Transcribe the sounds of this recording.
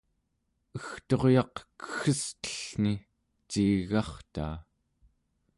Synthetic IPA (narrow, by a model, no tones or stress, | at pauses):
əxt̪o̞ʁjɑqkə̥xəst̪ə̥ɬni | t͡ʃiɣɑχt̪a̰ː